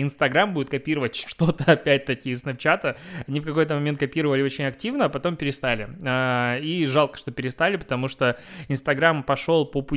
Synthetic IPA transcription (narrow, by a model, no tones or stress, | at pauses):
ɪnst̪ɐɡɾambudʲɪt̪kɐpʲiɾəvətʲʂt̪o̞t̪əɐpʲæt̚ʲt̪ɐkʲɪɪsnɐpt͡ɕat̪əɐnʲifkɐko̞jt̪əmɐmʲe̞nt̪̚kɐpʲiɾəvəlʲɪo̞t͡ɕɪnʲɐktʲivnəːpɐt̪o̞mpʲɪɾʲɪst̪alʲɪaiʐalˠkə̥ʂt̪o̞pʲɪɾʲɪst̪alʲɪpə̥t̪ɐmuʂt̪oɪnst̪ɐɡɾampɐʂo̞lˠpəpʊ